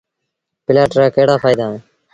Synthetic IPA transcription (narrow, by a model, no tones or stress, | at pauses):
pɪlaːʈɾaːkəɦɽaːfaːɪd̪aːɦẽː